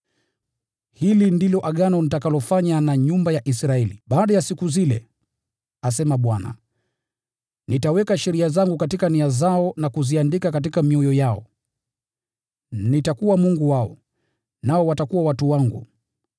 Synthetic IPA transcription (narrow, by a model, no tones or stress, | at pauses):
hilindilɔʔaɠanɔnitakalɔfaɲanaɲumbajaʔisɾaɛlḭɓaːɗajasikuzilɛ̰ | as̬ɛmaɓwana̰ | nitawɛkaʃɛɾiazaŋɡukatikaniazaɔnakuziandikakat̬ikamiɔjɔjaɔ̰ | nitakuwamuŋɡuwaɔ̰ | naɔwatakuwawatuwaŋɡṵ